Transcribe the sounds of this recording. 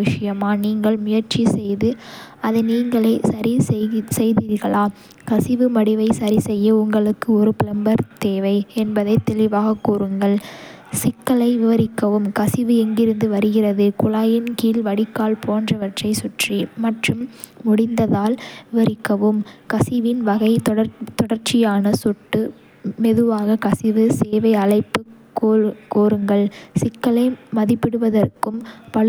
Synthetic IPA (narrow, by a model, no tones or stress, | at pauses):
ʋɪʂɐjɐmaːniːŋɡɐɭmʊjɐɾt͡ʃisɛjðɯ | ɐðɯniːŋɡɐɭɐɪsɐɾisɛjðiːɾɣɐɭaː | kɐsɪʋɯmɐɽɪʋɐɪsɐɾisɛjːɐʊŋɡɐɭɯkːɯɔɾɯpɪlɐmbɐɾt̪eːʋɐɪɛnbɐðɐɪt̪ːɛɭɪʋaːɣɐkːuːɾɯŋɡɐɭ | sɪkːɐɭɐɪʋɪʋɐɾɪkːɐʋɯmkɐsɪʋɯɛŋɡɪɾɯnd̪ɯʋɐɾɯɣɪrɐðɯkʊɭaːjɪnkiːlʋɐɽɪkːaːlpoːndrɐʋɐʈrɐɪsʊʈrimɐʈrɯmː | ʊɽɪnd̪ɐðaːlʋɪʋɐɾɪkːɐʋɯmkɐsɪʋɪnʋɐɣɐɪt̪ɐt̪ɔɽɐɾt͡ʃɪjaːnɐsʊʈːɯ | mɛðɯʋaːɣɐkɐsɪʋɯseːʋɐɪɐlɐɪpːɯkːkuːɾɯŋɡɐɭsɪkːɐlɐɪmɐðɪpːɪɽɯʋɐðɐrkɯmpɐɭ